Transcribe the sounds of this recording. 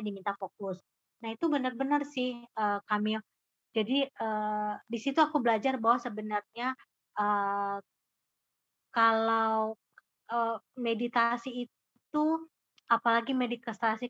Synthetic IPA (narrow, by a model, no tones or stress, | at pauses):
adimint̪afok̚ʊs | nahit̪ubənərbənərsɪhəkamil | d͡ʒadiədisit̪uakubəlad͡ʒarbaɦwasəbənərɲa | ə | kalaw | əmedit̪asiː | t̪u | apalaɡimedik̪əst̪asi